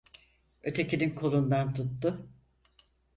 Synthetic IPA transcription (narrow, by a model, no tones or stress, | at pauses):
ø̞t̪ʰe̞cininkʰo̞lˠund̪ant̪ʰut̪ːʊ